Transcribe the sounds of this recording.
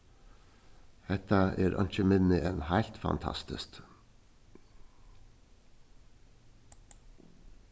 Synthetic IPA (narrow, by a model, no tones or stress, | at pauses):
hɛt̪ɑʔeːɾʔɑ̰nt͡ʃəmɪnnɪʔənhæɪlt̪fɑ̰nt̪ʰɑ̰st̪ɪ̰st̪